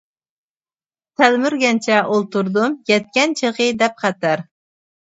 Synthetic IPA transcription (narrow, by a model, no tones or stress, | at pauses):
t̪ʰælmyɾɡʲɛnt͡ʃʰɛʔolˠt̪uɾd̪umjɛt̪̚kʲɛnt͡ʃʰəʁɨd̪ɛp̚qɑt̪æɾ